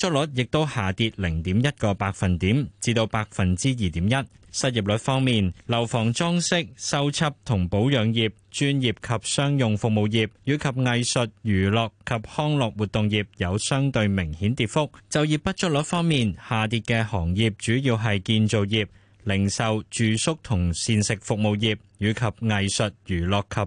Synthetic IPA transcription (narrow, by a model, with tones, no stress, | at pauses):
t͡ʃœ˥t̚lɵ˨˥t̚jɪ˨k̚t̪o˥whaː˨t̪iː˧t̚lɪ˨˩ŋt̪iː˨˥mjɐ˥t̚kɔː˧paː˧k̚fɐ˨nt̪iː˨˥mt͡siː˨˧t̪o˧wpaː˧k̚fɐ˨nt͡siː˥jiː˨t̪iː˨˥mjɐ˥t̚sɐ˥t̚ji˨p̚lɵ˨˥t̚fɔː˥ŋmiː˨nlɐ˨˩wfɔː˨˩ŋt͡sɔː˥ŋsɪ˥k̚sɐ˥wt͡sʰɐ˥p̚t̪ʰʊ˨˩ŋpo˨˥wjœː˨˧ŋjiː˨p̚t͡ʃyː˥njiː˨p̚kʰɐ˨p̚sœː˥ŋjʊ˨ŋfʊ˨k̚mo˨˧wjiː˨p̚jyː˨˧˥kʰɐ˨p̚ŋɐ˧jsɵ˨t̚jyː˨˩lɔː˨kʰːɐ˨p̚hɔː˥ŋlɔː˨k̚wuː˨˩t̪ʊ˨˧ŋjiː˨p̚jɐ˨˧wsœː˥ŋt̪ɵ˧ɥmɪ˨˩ŋhiː˨˥nt̪iː˨˧t̚fʊ˥k̚t͡sɐ˨wjiː˨pːɐ˥t̚t͡ʃɵ˥t̚lɵ˨˥fɔː˥ŋmiː˨nhaː˨t̪iː˧t̚kɛː˧hɔː˨˩ŋjiː˨p̚t͡ʃyː˨˥jiː˧wɦɐ˨jkiː˧nt͡so˨˧wjiː˨p̚ | lɪ˨˩ŋsɐ˨wt͡ʃyː˨sʊ˥k̚t̪ʰʊ˨˩ŋsiː˧nsɪ˨k̚fʊ˨k̚mo˨˧wjiː˨p̚jyː˨˧kʰɐ˨p̚ŋɐ˨˧jsɵ˨t̚jyː˨˩lɔː˨kʰːɐ˨p̚